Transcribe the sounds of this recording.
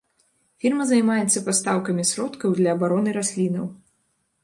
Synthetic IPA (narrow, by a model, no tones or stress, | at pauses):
fʲirmɐzɐjmajɛt̪sːɐpast̪awkɐmʲisɾɔt̪kɐwd̪lʲɐːbaɾɔnɨɾasʲlʲinɐ̰w